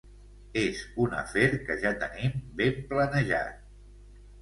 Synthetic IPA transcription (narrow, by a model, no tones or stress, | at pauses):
ezunə̰feɾkəʒat̪ənimbemplənəʒa̰t̪̚